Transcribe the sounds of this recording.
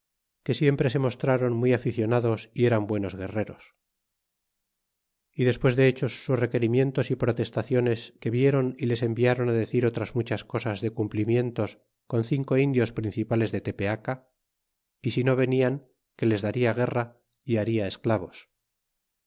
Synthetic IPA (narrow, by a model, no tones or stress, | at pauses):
ke̞sje̞mpɾe̞se̞mo̞st̪ɾaɾo̞nmwiafiθjo̞naðo̞sie̞ɾambwe̞no̞zɣ̞e̞re̞ɾo̞s | iðe̞spwe̞zðe̞et͡ʃo̞sːusre̞ke̞ɾimje̞nt̪osipɾo̞t̪e̞st̪aθjo̞ne̞ske̞βje̞ɾo̞nile̞se̞mbiaɾo̞naðe̞θiɾo̞t̪ɾazmut͡ʃasko̞sazðe̞kumplimje̞nt̪o̞s | ko̞nθiŋko̞ind̪jo̞spɾinθipale̞zðe̞t̪e̞pe̞aka | isino̞β̞e̞niaŋ | ke̞le̞zðaɾiaɣ̞e̞ra | iaɾiae̞sklaβo̞s